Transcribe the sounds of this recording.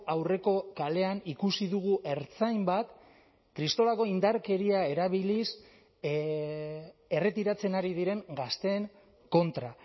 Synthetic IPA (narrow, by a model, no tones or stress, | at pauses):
awre̞ko̞kale̞anikusiðuɣ̞uʔe̞ɾt͡sajmbat̪ | kɾist̪o̞lako̞ind̪aɾke̞ɾiae̞ɾaβ̞ilis | e̞re̞t̪iɾat͡se̞naɾið̞iɾe̞ŋɡast̪e̞ːŋ | ko̞nt̪ɾa